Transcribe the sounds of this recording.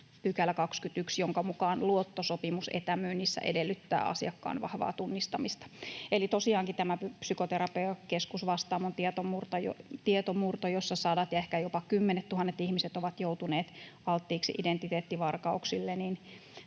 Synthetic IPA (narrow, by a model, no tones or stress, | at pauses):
pykælːækɑkskyt̪yksjoŋkɑmukɑːnluot̪ːosopimusḛt̪æmønːisːæ̰ʔḛdelːyt̪ːæ̰ːɑ̰siɑkːɑ̰ːnʋɑ̰hʋɑ̰ːt̪unːist̪ɑmist̪ɑ̥elit̪osiɑːŋkit̪æmæpypsykot̪eɾɑpeɑkeskusʋɑst̪ɑːmont̪iet̪omurt̪ojo̰t̪iet̪omurt̪ojosːɑsɑdɑt̪jɑehkæjopɑkymːenet̪tuhɑnːet̪ihmiset̪oʋɑt̪jouwt̪uneːt̪ɑlt̪ːiːksḭʔident̪ːit̪eːt̪ːiʋɑrkɑuksilːenin